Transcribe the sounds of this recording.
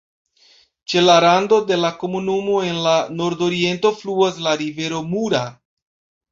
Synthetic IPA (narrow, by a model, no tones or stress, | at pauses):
t͡ʃe̞laɾando̞de̞lako̞munumo̞e̞nlano̞ɾdo̞ɾie̞nto̞fluaslaɾive̞ɾo̞muɾa